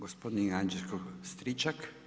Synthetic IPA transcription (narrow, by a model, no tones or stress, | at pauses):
ɡospod̪niand͡ʒelskɔst̪ɾit͡ʃak